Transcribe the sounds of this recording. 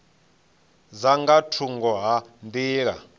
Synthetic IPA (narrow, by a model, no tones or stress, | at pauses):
zaŋɡatʰuŋɡɔɦandiːɺa̰